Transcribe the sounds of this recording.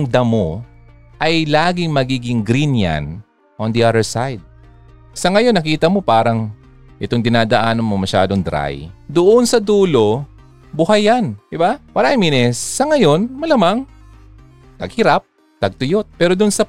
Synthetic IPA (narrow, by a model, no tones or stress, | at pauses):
ŋd̪ɐmo | ʔɐjlaːɡɪŋmɐɡiːɡɪŋɡɾinja̰n | ʔond̪iʔad̪ɛɹsajd̪̚ | sɐŋɐjo̞nːɐkiːt̪ɐmo̞paːɾɐŋ | ʔɪt̪oŋd̪ɪnaːd̪ɐʔaːnɐmomɐʃa̰ːd̪oŋd̪ɾa̰jd̪ʊʔonsɐd̪uːlo̞ | bʊɦɐjand̪ɪbawɐɾaʔɪŋminɛsːɐŋɐjo̞nmɐlamaŋ | t̪ɐɡ̚hɪɾap̚ | t̪ɐɡ̚t̪ʊjot̪̚pɛːɾod̪ʊnsɐ